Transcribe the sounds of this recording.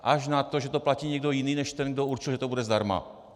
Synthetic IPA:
ʔaʒnat̪oʒɛt̪oplaciːɲɛɡ̚d̪ojiniːnɛʃt̪ɛnɡd̪ouɾt͡ʃɪlʒɛt̪obudɛzd̪aɾma̰

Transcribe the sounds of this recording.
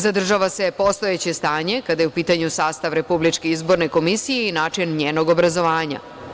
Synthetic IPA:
zad̪r̩ʒaʋase̞po̞st̪o̞et͡ɕe̞st̪aːɲe̞kad̪ajeupiːt̪aɲusaːst̪aʋɾe̞publit͡ʃke̞izbo̞ɾne̞ko̞misijeinaːt͡ʃinɲeːnoɡo̞bɾazo̞ʋaːɲa̰

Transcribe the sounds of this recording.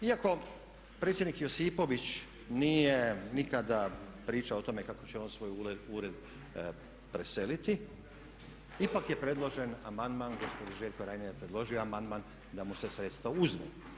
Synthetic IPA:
iako̞ | pɾet̪sjed̪nikjosipo̞ʋit͡ɕ | nijenikad̪apɾiːt͡ʃaot̪o̞me̞kakot͡ɕeo̞nsʋo̞ːjuɾeuɾed̪ | pɾe̞se̞lit̪i | ipakje̞pɾe̞d̪lˠo̞ʒe̞namand̪manɡospod̪iʒeʎkoɾajnejepɾed̪lˠo̞ʒioamand̪man | d̪amusesɾe̞t̪st̪ʋouzʋḛ

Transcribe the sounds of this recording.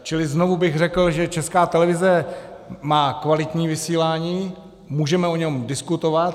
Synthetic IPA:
t͡ʃɪlɪzno̞vubɪɣr̝ɛkl̩ʒɛt͡ʃɛskaːt̪ɛlɛvɪzɛ | maːkvalɪt̪ɲiːvɪsiːlaːɲiː | muːʒɛmɛoɲɛmdɪskut̪o̞vat̪

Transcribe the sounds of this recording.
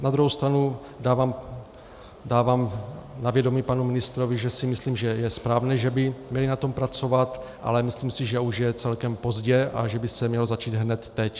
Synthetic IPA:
nad̪ɾuɦowst̪ɾanu | daːvaːm | daːvaːmnavjɛdo̞miːpanumɪnɪst̪ɾo̞vɪʒɛsɪmɪsliːmʒɛjɛspɾaːvnɛːʒɛbɪmɲɛlɪnat̪o̞mpɾat͡so̞vat̪ʔa̰lɛmɪsliːmsɪʒɛuʃjɛt͡sɛlkɛmpo̞zɟɛʔa̰ʒɛbɪsɛmɲɛlozat͡ʃiːt̪ɦnɛt̪ːɛc

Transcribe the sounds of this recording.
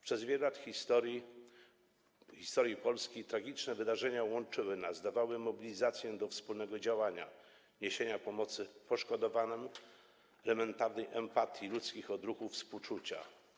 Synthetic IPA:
pʂɛzvʲjɛlɛlat̪xʲit̪ɔɾi | xʲist̪ɔɾʲjipɔlskʲejt̪ɾaɡʲit͡ʂnɛvɘd̪aʐɛɲawɔnt͡ʂɘwɘnazd̪avawɘmɔbʲilʲizat̪sʲjɛd̪ɔfspulnɛɡɔd͡ʑawaɲa̰ | ɲeɕeɲapɔmɔt̪sɘpɔʂkɔd̪ɔvanɛm | ɛlɛmɛnt̪aɾnɛjʔɛmpat̪ʲjilut̪skʲixɔd̪ɾuxufspuwt͡ʂut͡ɕa̰

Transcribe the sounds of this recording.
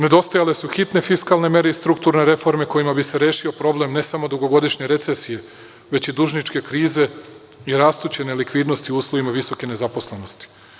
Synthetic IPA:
ne̞d̪o̞st̪ajale̞suxit̪ne̞fiskalˠne̞me̞ɾeist̪ɾukt̪uɾne̞ɾe̞fo̞ɾme̞ko̞imabiseɾeːʃio̞pɾo̞ble̞mne̞samo̞d̪uɡo̞ɡo̞d̪iʃɲe̞ɾet̪sesije̞ | ʋe̞t͡ɕid̪uʒnit͡ʃke̞kɾiːze̞ | iɾaːst̪ut͡ɕenelikʋiːd̪no̞st̪iuuːslˠoʋimaʋiso̞ke̞ne̞zapo̞sle̞no̞st̪i̥

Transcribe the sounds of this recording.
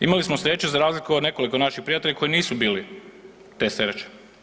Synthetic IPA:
ḭmalismosɾe̞t͡ɕuzaɾaːzlikuod̪ne̞ko̞liko̞naʃixpɾijat̪e̞ʎako̞jiniːsubiːli | t̪e̞ːseɾet͡ɕe̥

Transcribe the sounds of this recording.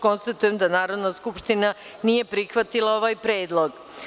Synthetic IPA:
ko̞nst̪at̪ujemd̪anaːɾo̞d̪naskupʃt̪ina | nije̞pɾixʋat̪ilˠao̞ʋaːjpɾe̞ːd̪lˠo̞ɡ

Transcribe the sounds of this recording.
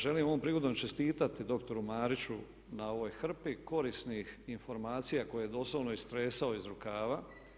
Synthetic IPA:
ʒe̞limo̞ʋompɾiɡod̪omt͡ʃest̪iːt̪at̪id̪o̞kt̪o̞ɾumaːɾit͡ɕu | nao̞ʋo̞jxr̩piko̞ɾisnixinfo̞ɾmaːt̪sijako̞jejed̪o̞slˠoʋno̞ist̪ɾe̞ːsao̞izɾukaːʋa

